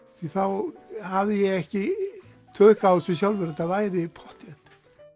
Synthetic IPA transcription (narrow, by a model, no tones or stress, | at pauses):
θiθawhavðɪjɛɣɛhcɪt̪ʰœːkaːwsɛs̬jawlvɛɾt̪avaːjɾɪpʰɔht̪jɛt̪